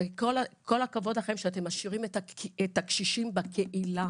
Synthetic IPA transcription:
ko̞lakʰo̞lakavo̞d̪aχe̞mʃeat̪emaʃiʁimetaet̪akʃiʃimbakʰeʔila

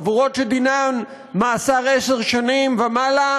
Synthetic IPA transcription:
vuʁot̪ʃed̪inan | maːsaʁeseʁʃanimvamala

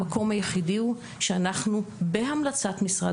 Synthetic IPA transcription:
ako̞mhajeχidiu | ʃeanaχnubeɦamlat͡satmisʁa

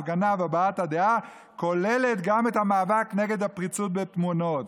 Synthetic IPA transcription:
ɡanaveabaathadea | ko̞le̞le̞tɡamethamaːvakne̞ɡe̞d̪hapʁit͡sut̚betmuno̞t

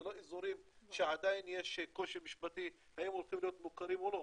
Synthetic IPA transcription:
loʔizuɾimʃeʕad̪ajnjeʃko̞ʃimiʃbat̪i | hajemolχimlijot̪̚mukaɾimolo

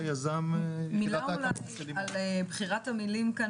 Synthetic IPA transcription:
jazammilalaalebχiʁatamilimka

